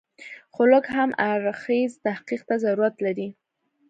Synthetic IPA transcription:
xʊlʊkhamaɾxezt̪ahqiq̚t̪azaɾuɾat̪laɾi

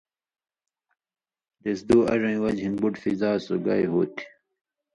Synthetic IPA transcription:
d̪esd̪uːɐ̰ʐɐ̃ĩwɐd͡ʑinbuʈfizaːsoɡa̰jɦoːt̪ʰi̥

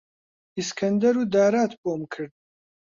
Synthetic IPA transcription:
iskʰɐnd̪ɐɾuːd̪aːɾaːt̪ʰboːmkʰɨɾd̪̚

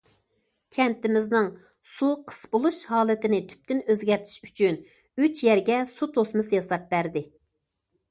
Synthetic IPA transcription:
kʲʰɛnt̪ɪmɪznɪŋ | suqʰə̥sbʊlˠuʃhɑːlˠɪt̪ɪnɪt̪ʰy̥p̚t̪ynøzɡʲɛɾt̪ʰɪ̥ʃy̥t͡ʃʰyn | yt͡ʃjɛɾɡʲɛsut̪ʰosmɨsjɑsɑp̚bæɾd̪ɪ

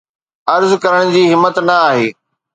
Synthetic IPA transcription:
ɐɾzkɐɾəɽ̃d͡ʑiːɦɪmːət̪nɐaːɦeː

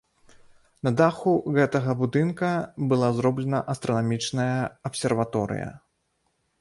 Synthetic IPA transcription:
nɐd̪axuɣɛt̪ɐɣɐbud̪ɨnkɐbɨlˠazɾɔblʲɛnɐʔɐst̪ɾɐnamʲit͡ʂnɐjɐɐpsʲɛrvat̪ɔɾɨ̰jɐ̰

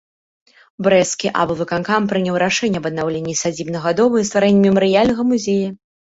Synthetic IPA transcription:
bɾɛskʲiʔa̰bɨvɨkankampɾɨnʲawɾaʂɛnʲːɐbɐd̪nawlʲenʲːisad͡zʲibnɐɣad̪ɔvɨjist̪vaɾɛnʲːɛmʲɛməɾɨjalʲnɐɣɐmuzʲejɐ

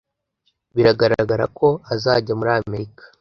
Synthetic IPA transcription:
βiɾaɡaɾaaɡaɾa̰kʰo̞azaːɟamuɾaːme̞ɾikḁ

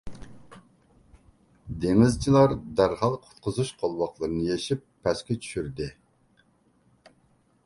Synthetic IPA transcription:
d̪eŋɪzt͡ʃʰilˠɑɾd̪æɾhɑlˠqʰʊ̥t̪qʰəzuʃqʰolˠwɑqlˠəɾɨnɨjeʃipʰːɛskʲɛt͡ʃʰy̥ʃyɾd̪ɪ

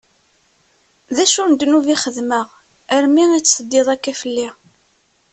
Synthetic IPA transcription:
ðæʃʊɾnd̪nuviχəðməʁ | əɾmiit͡sːsəd̪ːeðˤækːæfəlːi

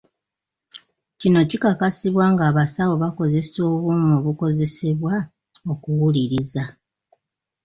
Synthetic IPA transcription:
cino̞cikakasiβwaːŋɡaːβasawo̞βako̞ze̞so̞ːβuːmoβuko̞ze̞seβwa | okuwuliɾiza

